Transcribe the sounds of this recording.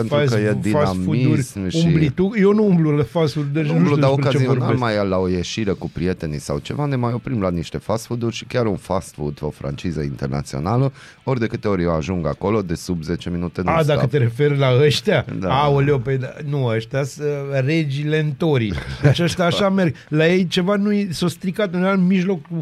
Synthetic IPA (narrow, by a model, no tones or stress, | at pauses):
pentɾkəjeb̪iasamfud̪iuɾʲsʃumblit̪ujonuumblulafast̪fud̪d̪et͡ʃbluaoɾkat͡ʃzioɾmajalaojeʃiɾekupɾie̞t̪e̞nisawt͡ʃe̞vanemajo̞pɾimlaniʃt̪e̞fast̪fud̪urʲʃi̥kʲaɾunfast̪fud̪fowfɾa̰nt͡ʃizəint̪erna̰t̪sio̞̰nalə | o̞rʲd̪e̞kɨt̪e̞o̞ɾʲjewaʒuŋɡako̞lo̞d̪e̞subze̞t͡ʃe̞minut̪enad̪akət̪eɾe̞fe̞rlaəʃt̪ʲad̪aaoleoped̪anuəʃt̪ʲasəre̞d͡ʒile̞nt̪oɾid̪et͡ʃaʃt̪ʲaːʃame̞rɡ | laje̞jt͡ʃe̞vanujsost̪ɾikat̪ɨnɾealmiʒlo̞ku